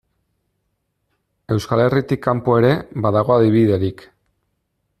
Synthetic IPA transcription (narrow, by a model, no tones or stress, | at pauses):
e̞wskale̞rit̪ikːampoe̞ɾe̞βaðaɣ̞o̞aðiβiðe̞ɾik